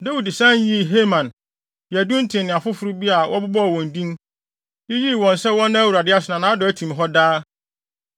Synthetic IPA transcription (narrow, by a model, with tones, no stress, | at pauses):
da˦wi˨dsã˦n˦ji˦˨ɦe˦mã˨n˨ | æ˨dũ˦n̩˦tʰɪ̃˨nɪ̃˨a˨fʊ˦fʊ˦ɾʊ˦bi˦a˨wʔɔ˦bʊ˦bɔ˦˨wɔ̃˨n˨dĩ˦m | jɪ˦ji˦˨wɔ̃˨n˨sɛ˦wɔ̃˦nːã˦æ˦wu˨ɾa˨dɪ˦a˦sʊ˨nã˨nã˨˦dɔ˨æ˦tʰĩ˨m˨ɦɔ˦daː˦